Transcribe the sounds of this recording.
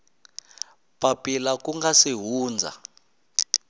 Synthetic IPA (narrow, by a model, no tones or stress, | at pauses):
papʼilakuŋɡasiɦuːnd͡zʱa̰